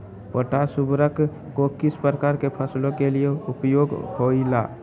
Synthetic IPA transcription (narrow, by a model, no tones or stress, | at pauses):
pəʈasubɾək | kokispəɾəkaɾkepʰəslõkelijeupjoɡhoila̰